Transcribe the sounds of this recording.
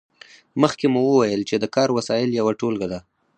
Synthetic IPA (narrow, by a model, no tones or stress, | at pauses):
məxkemuwəwajəlt͡ʃed̪əkɑɾwasɑjɪljawaʈolɡad̪a